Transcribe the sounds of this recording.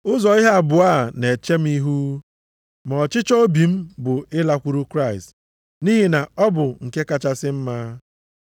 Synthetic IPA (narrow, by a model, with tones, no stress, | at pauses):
ʊ˦zɔ˨i˦ɦe˦a˨bʊ˨a˦˨ne˨t͡ʃe˦m̩˦i˦ɦu˦ | m˨ɔ˨t͡ʃɪ˦t͡ʃo˦bi˨m̩˦bʊ˨ɪ˦la˦kʷu˨ɾu˦kɾa˦˨ɪ˨st | ni˦ɦi˨na˨ɔ˦bʊ˨ŋ̩˨ke˦ka˦t͡ʃa˦sɪ˦m̩˦maː˦